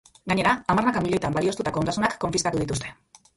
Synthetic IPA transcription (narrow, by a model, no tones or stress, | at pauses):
ɡaɲe̞ɾaːmarnakamiʎo̞jt̪ambalio̞st̪ut̪akoond̪asunakːo̞ɱfiskat̪uðit̪ust̪e̞